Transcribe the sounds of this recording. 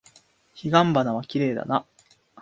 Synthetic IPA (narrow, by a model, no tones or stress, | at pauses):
çiɡãmbanaβakʲiɾe̞ːd̪a̰na